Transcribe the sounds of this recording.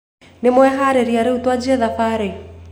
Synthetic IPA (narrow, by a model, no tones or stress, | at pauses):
nemwɛɦaɾeɾiaɾeutwad͡ʒiaðafaɾɛ